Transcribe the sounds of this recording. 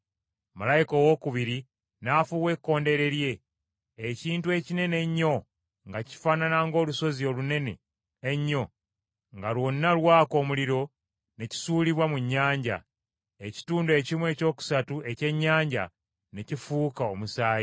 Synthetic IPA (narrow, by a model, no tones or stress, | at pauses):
malajikowo̞kuβiɾi | naːfuːwe̞kːo̞ːnde̞ɾe̞ɾje̞ː | ciːntue̞cine̞ne̞ɲːo̞ | ŋɡaci̥faːnanaŋɡo̞ːluso̞zio̞lune̞nḛː | ɲːo̞ | ŋɡalwo̞nːalwaːko̞ːmuliɾo̞ | ne̞ci̥suːliβwamuɲːaːɲɟa̰ | eci̥tuːnde̞ːcimwe̞ːco̞ːku̥satuʔe̞ce̞ɲːaːɲɟa̰ | ne̞cifukaomusaːje